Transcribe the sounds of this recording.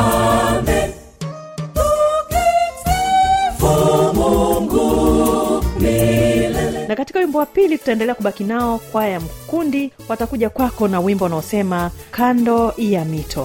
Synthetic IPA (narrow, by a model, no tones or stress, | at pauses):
ɛ | muŋɡu | nakatikauwimbɔwapilitu̥taɛndɛlɛakuɓakinaɔkwajam̩kundiwatakuʄakwakɔnawimbɔwanaɔsɛmakandɔijamitʰɔ